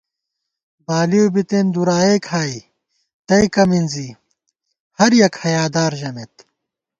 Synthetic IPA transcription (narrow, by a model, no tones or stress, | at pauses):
baːliobit̪eːnd̪uɾaːeːkʰhaːi | t̪ɐjkɐminzi | hɐɾjɐkhɐjaːd̪aːɾʑɐmet̪